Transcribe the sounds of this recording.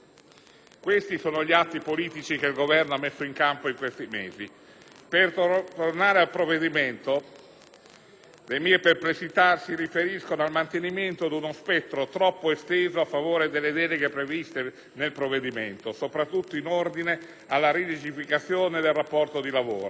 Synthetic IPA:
kwest̪isoːnoʎiat̪ːipoliːt̪it͡ʃik̟elɡovɛrnoamːesːoiŋkampoiŋkwest̪imḛːzi | pert̪ornaːɾealpɾovːed̪iment̪o | d̪emiːeperplesit̪asirifeɾiskonoalmant̪eniment̪od̪unospɛt̪ːɾot̪ɾɔpːoest̪eːzoafːavoːɾed̪elːed̪ɛːleɡepɾevist̪e | nelpɾovːed̪iment̪osopɾat̪ːut̪ːoinord̪ine | alːaɾilit͡ʃifikat̪sːjoːned̪elrapːɔrt̪od̪ilavoːɾo

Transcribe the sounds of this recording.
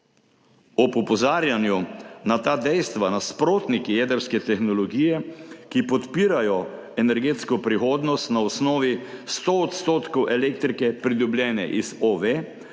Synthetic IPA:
ɔpupɔzaːɾjanjunat̪aːd̪ɛjst̪ʋanaspɾoːt̪nikijɛːd̪əɾskɛt̪ɛxnɔlɔɡiːjɛkipɔt̪piːɾajɔ | ɛnɛɾɡeːt̪skɔpɾixoːd̪nɔst̪naɔsnɔːʋist̪oɔt̪st̪oːt̪kɔwʔɛleːkt̪ɾikɛpɾid̪ɔblʲjɛːnɛ̰ʔizoʋe

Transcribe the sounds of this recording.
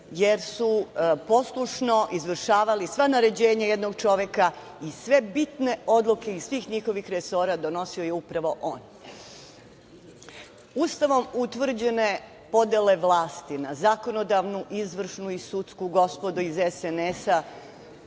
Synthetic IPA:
jeɾsupo̞slˠuʂno̞ʔizʋr̩ʃaːʋalisʋanaɾe̞d͡ʑeːɲajed̪noɡ̚t͡ʃo̞ʋe̞ka | isʋe̞bit̪ne̞o̞d̪lˠuke̞isʋiːxɲixo̞ʋixɾeso̞ːɾad̪o̞no̞siojeupɾaʋo̞ʔoːn | ust̪aʋo̞mut̪ʋr̩d͡ʑe̞ne̞ | po̞d̪ele̞ʋlˠaːst̪inazako̞no̞d̪aʋnuʔizʋr̩ʃnuisut̪skuɡo̞spo̞d̪uizesenesa

